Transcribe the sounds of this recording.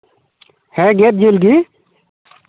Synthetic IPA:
heːɡeːt̪̚d͡ʒilɡiː

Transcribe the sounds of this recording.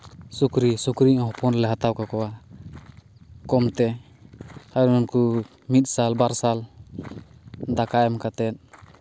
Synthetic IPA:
sukɾisukɾiʔɦɔpɔnlɛɦat̪awkakɔwa | kɔmt̪ɛ | aɾnɔnku | mit̪̚salbaɾsal | d̪akaʔɛmkat̪ɛt̪̚

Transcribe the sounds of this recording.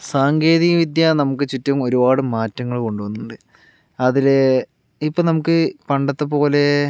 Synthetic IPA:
saːŋɡe̞ːðijɐʋid̪jɐnɐmukːɨt͡ɕitːɐmo̞ɾubaːɽumːaːtːɐŋːɐɭko̞ɳɖuʋɐnːuɳɖɨ | ɐðile | ipːoːnɐmukːɨpɐɳɖɐt̪ːepo̞ːle̞

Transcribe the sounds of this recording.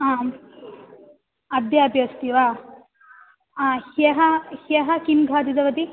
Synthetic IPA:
aː | ɐd̪jɐɐbjɐst̪iʋaː | heɦɐheɦɐkinɡʱaːd̪id̪ɐʋɐd̪i

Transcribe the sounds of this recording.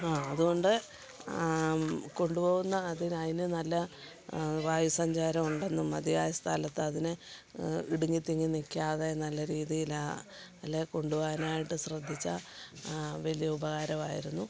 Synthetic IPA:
aːɐðuɣo̞ɳɖɨ | ko̞ɳɖupo̞ːɣunːɐːðinɐðinɨnɐlːɐ | ʋaːjusɐɲd͡ʑaːɾɐmuɳɖɐnːumɐd̪ijaːjɐst̪ʰaːlɐt̪ːɨɐðinɨ | iɽuŋːit̪ːiŋːinikʲːaːðenɐlːɐɾiːðijilaɐlːeko̞ɳɖuʋaːɣɐnaːjiʈːɨɕrɐd̪ʱːit͡ɕːɐ̰ | ʋɐlijɐubɐɣaːɾɐmaːjiɾunːu

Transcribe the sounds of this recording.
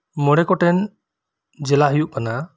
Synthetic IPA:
mɔɽɛkɔʈɛn | d͡ʒɛlaɦujuʔkana

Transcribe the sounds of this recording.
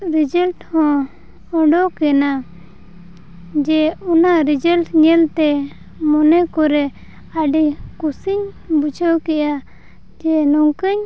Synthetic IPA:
ɾid͡ʒəlʈhɔ̃ | ɔɖɔkɛna | d͡ʒɛunaɾid͡ʒəlʈɲɛlt̪ɛ | mɔnɛkɔɾɛ | aɖikusiɲ | but͡ʃʰɔkɛʔa | d͡ʒɛnɔŋkəɲ

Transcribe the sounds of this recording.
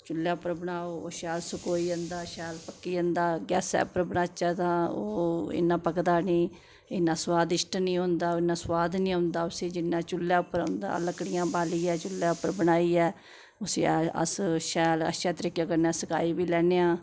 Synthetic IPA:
t͡ʃʊlːjaːʊpːəɾbəɳaːoːoːʃɛːlsʊkoːiːə̃nd̪aːʃɛːlpəkːiːə̃nd̪aːɡɛ̰ːsɛ̰ːpəɾbəɳaːt͡ʃaːt̪ãːo̰ːɪ̰nːãːpəkd̪aːnĩː | ɪnːãːswaːd̪ɪʃʈnĩːɦʊ̃nd̪aːoːɪnːãːswaːd̪nĩːʊ̃nd̪aːʊsẽːd͡ʒɪnːãːt͡ʃʊlːjaːʊpːəɾʊ̰̃nd̪a̰ːləkɽɪjãːbaːliːɛːt͡ʃʊlːjaːʊpːəɾbəɽaːiːɛː | ʊsḭːə̰sʃɛːlə̰ʃaːt̪əɾiːkːjãːkəɾnãːsəkaːiːbiːlɛːneːãː

